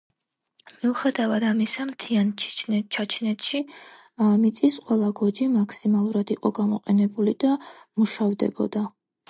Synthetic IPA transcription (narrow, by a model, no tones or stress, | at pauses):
miuχɛd̪avad̪amisamt̪ʰiant͡ʃʰnt͡ʃʰat͡ʃʰnɛt̪ʃi | mit̪sʼisqʼwɛlˠaɡɔd͡ʒimaksimalˠuɾad̪iqʼɔɡamɔ̰qʼɛnɛbulid̪amuʃavd̪ɛ̰bɔ̰d̪a